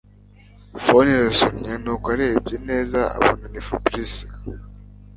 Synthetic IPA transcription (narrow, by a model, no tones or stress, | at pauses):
foniɾasomɲenukwaɾeːb̚ɟeneːzaa̰βonanifabɾisḁ